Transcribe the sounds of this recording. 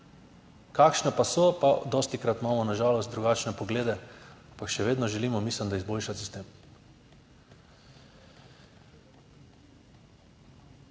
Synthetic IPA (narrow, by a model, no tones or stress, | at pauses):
kakʃnapasɔpad̪ɔst̪ikɾat̪maːmɔnaʒaːlɔst̪̚d̪ɾuɡaːt͡ʃnɛpɔɡleːd̪ɛampakʃɛʋeːd̪nɔʒɛliːmɔmisləmd̪aizboːlʃat̪ist̪eːm